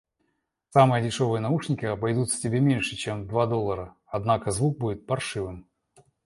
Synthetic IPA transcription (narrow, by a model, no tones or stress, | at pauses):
samɨjədʲɪʂo̞vɨjənɐuʂnʲɪkʲɪɐbɐjd̪ut̪ʲtʲɪbʲemʲenʲʂɨt͡ɕemd̪vad̪o̞lˠːəɾə | ɐd̪nakəzvuk̚budʲɪt̪̚pɐrʂɨvɨm